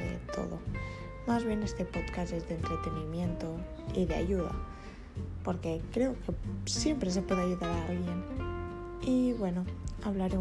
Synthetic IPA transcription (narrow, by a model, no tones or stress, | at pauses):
ḛðḛt̪ʰo̞̰ðo̰ | mazβenest̪e̞pot̪kazezðent̪ɾet̪enimje̞nt̪o̞ | iðea̰ʝuða̰ | po̞ɾke̞kɾe̞okesje̞mpɾes̬epwe̞ðeaʝuðaɾaalɣje̞n | iβwe̞noaβ̞laɾe